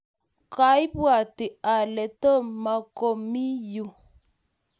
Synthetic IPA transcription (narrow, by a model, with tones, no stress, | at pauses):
ka˦i˦bwa˨tɪ˨a˨lɛ˨tɔ˦˨ma˨ko˨mi˦ju˦˨